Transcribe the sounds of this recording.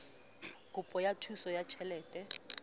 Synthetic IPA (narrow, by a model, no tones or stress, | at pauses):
kʼʊpʼɔjatʰusɔjat͡ʃʰɛlɛːtʼɛ